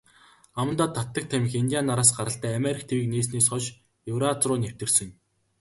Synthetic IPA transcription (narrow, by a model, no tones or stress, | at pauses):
amə̆nt̪aːt̪ʰːat̪ːə̆k̚t̪ʰæmʲɪ̆xint̪ʲijanaɾaːs̬ɢaɾə̆ɬt̪æːameɾʲik̚ʰt̪ʰewiːkneːs̬neːsχɔʃ | jɵwɾat͡srʊːnew̥t̪ɘ̆rsɘ̆ŋ